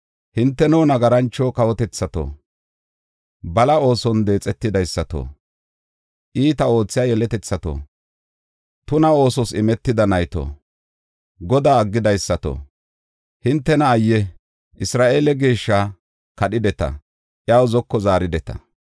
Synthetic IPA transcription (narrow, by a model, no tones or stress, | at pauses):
hɪnt̪ːɛnuːnɐɡɐɾɐnt͡ʃːoːkɐwɔt̪ɛt͡sːɐt̪o̰ː | bɐlɐo̞ːsɔnd̪e̞ːt͡sʼɛt̪ːɪd̪ɐjsːɐt̪o̰ː | ʔiːt̪ɐo̞ːt͡sːɪjaːjɛlɛt̪ɛt͡sːɐt̪o̰ː | t̪ʊnɐo̞ːsɔsɪmɛt̪ːɪd̪ɐnɐjt̪o̰ː | ɡɔd̪aːɐɡːɪd̪ɐjsːɐt̪o̰ː | hɪnt̪ːɛnɐːjːɛ | ʔɪsɾaːʔe̞ːlɛɡeːʃːa | kɐɗɪd̪ɛt̪ɐ̰ | ʔɪaːwzɔkːɔzaːɾɪd̪ɛt̪ɐ̥̰